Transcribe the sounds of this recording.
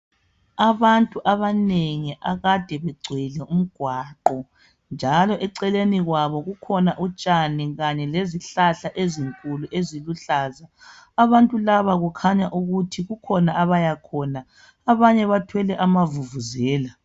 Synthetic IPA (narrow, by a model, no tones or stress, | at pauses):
aβantʼuʔaβaneŋiʔaɣad̥ʱɛβɛɡ͡ǀʱilɛum̩ɡ̥ʱwaːǃɔ | nd͡ʒʱalɔʔɛǀɛleniɣwaβɔɣukʰɔnaʔut͡ʃʼaniɣaɲɛleziɬaɬaʔeziŋkʼuluʔeziluɬaːzaː | βantʼulaβaɣukʰaɲaʔuɣutʰiɣukʰɔnaʔaβajakʰɔːna | aβaɲɛβatʰwɛlɛʔamavuvuzɛːla